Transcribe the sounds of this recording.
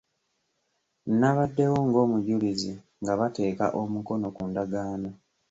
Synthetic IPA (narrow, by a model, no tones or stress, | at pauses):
naβadːe̞woŋɡo̞ːmuɟulizi | ŋɡaβate̞ːka̰ʔo̞muko̞no̞kundaɡaːno